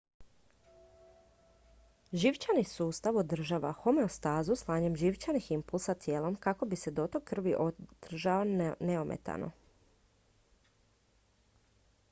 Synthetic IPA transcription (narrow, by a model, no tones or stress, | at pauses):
ʒiʋt͡ʃanisuːst̪aʋod̪r̩ʒaːʋa̰xo̞me̞ost̪aːzuslˠaːɲe̞mʒiʋt͡ʃaniximpulˠsat̪t̪jeːlˠo̞mkako̞bise̞d̪o̞t̪okr̩ʋiʔod̪̥r̩ʒaoneomʔḛt̪a̰no̞̰